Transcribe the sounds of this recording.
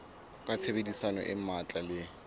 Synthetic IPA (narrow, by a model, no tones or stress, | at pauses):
kʼat͡sʰebedisanɔ̰ʔɪmat͡ɬʼalɪ